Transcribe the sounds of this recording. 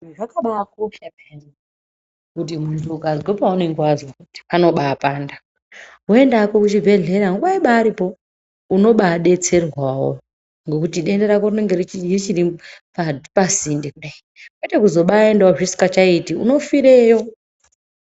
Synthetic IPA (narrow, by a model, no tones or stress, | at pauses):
ʐakaɓaakopapen | kut̬imunduɡʱazɡepaunoiŋɡwazwokuti̥pano̞ɓaːpaːnda | ɦoe̞ndaːko̞kut͡ʃibʱe̞ɮe̞ɾaaŋɡuɓaiɓaːɾipo̞ | uno̞ɓaɗe̞t͡se̞rwawo̰ | ŋɡokutiɗe̞ndeɾakorineŋɡeriiit͡ʃiripapazindikuɗa | kwetekuzo̞ɓaendaoʐisi̥kat͡ʃaitiṵno̞fiɾejo̞